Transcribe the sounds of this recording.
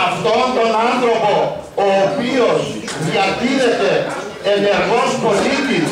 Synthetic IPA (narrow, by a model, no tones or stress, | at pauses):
ɐft̪o̞nt̪o̞nanθɾo̞po̞ | oːpio̞s | ðiɐt̪iɾe̞t̪e̞ | ene̞ɾɣo̞spo̞lit̪is